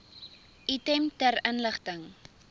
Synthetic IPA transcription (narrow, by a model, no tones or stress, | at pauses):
ʔitɛmtərənləχtəŋ